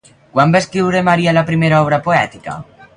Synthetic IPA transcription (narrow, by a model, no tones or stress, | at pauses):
kwambeskɾiwɾemaɾialapɾimeɾaɔβ̞ɾapoɛ̰t̪ika̰